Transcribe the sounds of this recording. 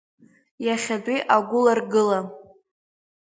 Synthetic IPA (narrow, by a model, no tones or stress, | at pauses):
jaχʲadʷʼiʔaɡʷʊlarɡɨla